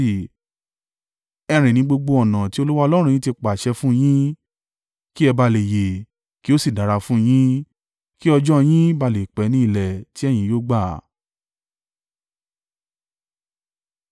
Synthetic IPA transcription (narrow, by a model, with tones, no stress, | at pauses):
ɛ˧ɾ̃ĩ˨nĩ˧˦ɡ͡bo˧ɡ͡bo˧ɔ˨nã˨ti˨˦o˧lu˦wa˦ɔ˧lɔ˦ɾ̃jĩ˦ti˧k͡pa˨ʃɛ˧fũ˦˧j̃ĩ˦ | ki˦ɛ˧ba˧le˨je˨ | ki˦o˦si˦˨da˨ɾa˧fũ˦j̃ĩ˦ | ki˦ɔ˧d͡ʒɔ˦˧j̃ĩ˦ba˧˨le˨k͡pɛ˨˦nĩ˦i˦˧˨lɛ˨ti˦ɛ˦˨j̃ĩ˧˦joː˦ɡ͡ba˦˨